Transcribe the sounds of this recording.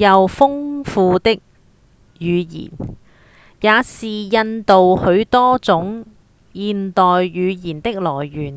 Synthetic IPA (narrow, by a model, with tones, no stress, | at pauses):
jɐ˨wfʊ˥ŋfuː˧t̪ɪ˥k̚ | jyː˨˧jḭː˨˩n | jaː˨˧siː˨jɐ˧nt̪o˨whɵ˨˧ɥt̪ɔː˥t͡sʊ˨˥ŋ | jiː˨nt̪ɔː˨jːyː˨˧jiː˨˩nt̪ɪ˥k̚lɔː˨˩jːyː˨˩n